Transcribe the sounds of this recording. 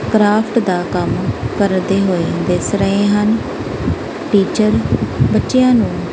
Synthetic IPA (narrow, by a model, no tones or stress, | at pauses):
kɾaːpʰʈd̪aːkəmkəɾd̪eːɦoːeːd̪esɾəẽːɦən | ʈiːt͡ʃəɾbətːʃejãːnũː